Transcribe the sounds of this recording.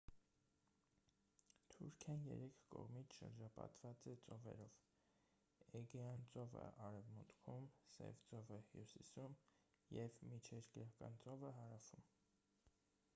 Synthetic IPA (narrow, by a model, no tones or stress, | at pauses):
t̪ʰuɾkʰjɑnjɛ̰ɾɛkʰkɔ̰ʁmit͡sʰʃə̰ɾd͡ʒɑpɑ̰t̪v̥ɑt͡sɛt͡sɔvɛ̰ɾɔv | ɛɡɛɑnt͡sɔvə̰ʔɑɾɛvmut̪kʰumsɛ̰vt͡sɔvəhjṵsisum | jɛvmit͡ʃʰɛɾkəɾɑkɑ̰nt͡sɔvəɦɑɾɑfum